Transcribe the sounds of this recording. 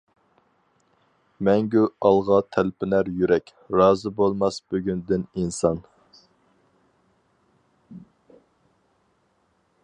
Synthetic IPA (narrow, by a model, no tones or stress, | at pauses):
mɛŋɡʲyɑlˠʁɑt̪ʰælpʰɪnæɾjyɾɛkʲ | ɾɑːzɨbolˠmɑsbyɡʲynd̪ɪninsɑn